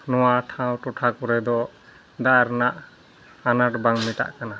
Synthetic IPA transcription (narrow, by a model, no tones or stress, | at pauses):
nɔwaʈʰãwʈɔʈʰakɔɾɛd̪ɔ | d̪aɾnaʔ | anaʈbaŋmiʈa̰ʔkana